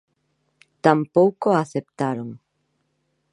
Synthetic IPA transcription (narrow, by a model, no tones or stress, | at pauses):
t̪ampowkoaθep̚t̪aɾoŋ